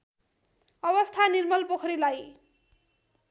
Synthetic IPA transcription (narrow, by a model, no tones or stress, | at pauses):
ʌbʌst̪ʰanirmʌlpokʰʌɾilaj